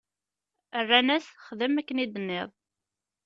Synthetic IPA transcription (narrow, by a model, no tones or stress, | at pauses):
ərːænæsχəðəmækːənid̪ənːɪðˤ